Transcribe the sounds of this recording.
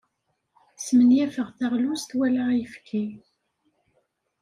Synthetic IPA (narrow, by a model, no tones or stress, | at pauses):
smənjæfəʁθæʁlust̪wælæjəfkʰi